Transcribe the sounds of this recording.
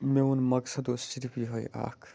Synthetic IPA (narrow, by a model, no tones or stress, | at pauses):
meunmɐɡsɐd̪osiɾpiɦojʔa̰kʰ